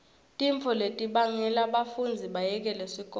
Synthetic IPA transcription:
tʼiɱfʰɔletʼiɓaŋɛlaɓafund͡zʱiɓajɛk̬ʼɛlesikʼɔ

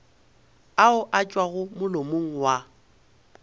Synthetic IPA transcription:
aʊʔat͡ʃʼwaɣʊmʊlomoŋ̩wa

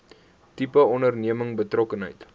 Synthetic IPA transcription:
tipəɔndərniəməŋbətrɔkənɦə̰jt

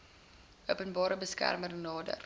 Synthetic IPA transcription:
əwpənbɑːɾəbəskæ̰rmərnɑːdə̰r

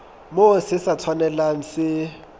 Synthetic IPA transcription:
mosɪsat͡sʰwanɛlan̩sɪ

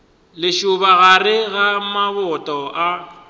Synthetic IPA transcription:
lɪʃʊβaɣarɪɣamaβɔtʼɔʔa

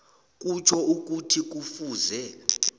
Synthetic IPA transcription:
k̬ʼut͡ʃʰɔuk̬ʼutʰik̬ʼufuːzɛ

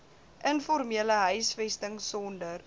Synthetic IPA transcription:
ʔənfɔrmiələɦœɥsfɛstəŋsɔndər

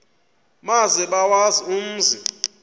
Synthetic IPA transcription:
maziɓawazium̩ːzʱi

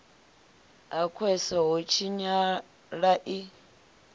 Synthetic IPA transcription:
akʰwɛsɔɦɔt͡ʃʰiɲa | ɺaʔi

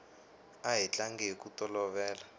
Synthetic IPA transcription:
aɦit͡ɬaŋɡɛkutʼɔlɔβɛːla

